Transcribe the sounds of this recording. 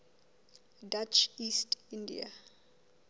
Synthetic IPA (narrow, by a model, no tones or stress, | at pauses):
dat͡ʃistindḭa̰